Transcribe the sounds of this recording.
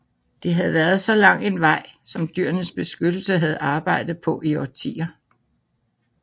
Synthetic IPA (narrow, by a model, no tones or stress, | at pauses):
d̥e̝ɦæð̩ˠʋæːɐð̩ˠsɒ̽lɑ̈ŋ̰e̝nʋɑ̈ɪ̰sɒ̽md̥yɐ̰nəsb̥e̝sɡ̥ød̥l̩səɦæð̞̩ˠɑ̈ːb̥ɑ̈ɪ̰d̥ð̩ˠpʰɒ̽ʔiɒt͡sʰḭːɐ